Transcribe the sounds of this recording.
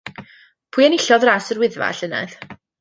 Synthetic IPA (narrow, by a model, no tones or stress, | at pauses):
pʰʊːɨɛnɪɬɔðraːsərwɪðva̰ɬəna̰ð